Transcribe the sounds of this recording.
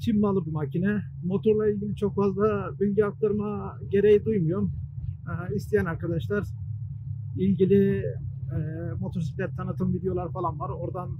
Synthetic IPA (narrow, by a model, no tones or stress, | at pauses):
t͡ʃʰimmalˠɯbumacʰinɛ | mo̞t̪ʰoɾlˠailʲɡɟilʲit͡ʃʰo̞kfazd̪ˠabilʲɟɛak̚t̪aɾma | ɟe̞ɾejid̪ujmujo̞ɾmɛːist̪ʰijænaɾkad̪aʃlˠaɾ̥ | ilʲɟilʲi | ɛmo̞t̪ʰoɾsiplʲɛt̪ʰːanɯt̪ʰɯmvid̪iejo̞lˠaɾfalˠanvaɾo̞ɾd̪an